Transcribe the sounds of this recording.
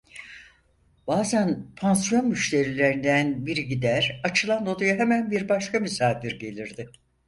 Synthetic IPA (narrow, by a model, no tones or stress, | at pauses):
b̥aːzænpʰansjo̞nmyʃt̪ʰe̞ɾilʲe̞ɾind̪ænbiɾiɟid̪æɾat͡ʃʰɯlˠand̪o̞d̪ujaɦemænbiɾbaʃkamysaːd̪iɾɟe̞lʲiɾd̪ɪ